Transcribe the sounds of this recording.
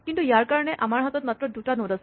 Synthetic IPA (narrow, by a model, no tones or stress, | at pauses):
kint̪ujaɾkaɾɔɽ̃eʔamaɹɦɔt̪ɔt̪̚mat̪ɾɔd̪uʈanõd̪as